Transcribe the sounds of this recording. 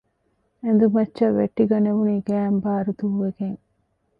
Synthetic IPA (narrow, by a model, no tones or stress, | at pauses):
end̪umɐt͡ʃːɐʋːḛʈːiɡɐneʋuniɡæːmbaːɾut̪uːʋeɡeŋ